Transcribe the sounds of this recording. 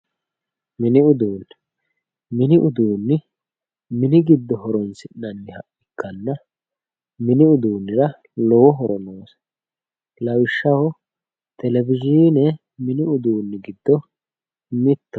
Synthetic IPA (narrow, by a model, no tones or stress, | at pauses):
mɪnɪʊd̪uːn | mɪnɪʔʊd̪uːnːɪ | mɪnɪɡɪd̪ːɔɦɔɾɔnsɪnːɐnːɪhɐ̰ʔɪkːɐnːɐ | mɪnɪʊd̪uːnːɪɾɐ | lɔwɔɦɔɾɔnoːs | lɐwɪʃːɐwɔ | t̪ɛlɛvɪʒiːnɛ | mɪnɪʊd̪uːnːɪɡɪd̪ːɔ | mɪt̪ːɐ